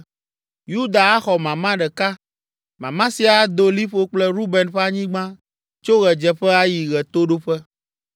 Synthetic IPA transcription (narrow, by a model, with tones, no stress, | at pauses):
ju˦d̪a˨a˦xɔ˨mã˨mã˦ɖɛ˨ka˦ | mã˨mã˦si˦a˨d̪o˦li˦ɸo˦k͡plɛ˦ɾu˦bɛ˨nɸɛ˦a˦ɲĩ˦ɡ͡bã˦ | t͡ʃo˦ɣɛ˨d͡ʒɛ˨ɸɛ˦a˦ji˨ɣɛ˨t̪o˦ɖo˦ɸɛ˦